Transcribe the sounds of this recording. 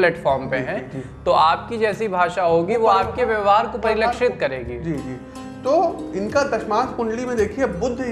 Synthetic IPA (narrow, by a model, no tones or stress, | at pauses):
lɛːʈfɔːɾmpẽɦɛ̃t̪oʔaːpkid͡ʒɛːsibʱaːʃaɦoːɡiʋoaːp̚keʋjɐʋɦaːɾkopɐɾɪlɐkʃɪt̪̚kɐɾeːɡid͡ʒiːd͡ʒiː | t̪oːɪnkad̪ɐʃmãːt̪kʊ̃ɳɖɽimẽd̪eːkʰiebʊd̪ʱː